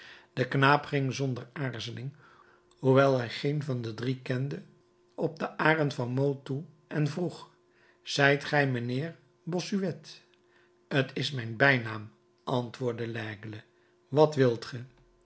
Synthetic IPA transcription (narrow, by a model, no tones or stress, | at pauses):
d̥əknaːpχɪŋzɔndəɹaːɹzəlɪŋ | huʋɛlˠɦɛjχejnvɑndədrikɛndə | ɔb̚dəʔaːrənvɑnmowltu | ɛnvruχ | z̥ɛjtχɛjmənɪːɹ | bɔsyʋɛt | ətʰɪsmɛjnbɛjnaːm | ʔɑntʋʊːɹdəlɛːɡələ | ʋɑtʋɪlˠtχə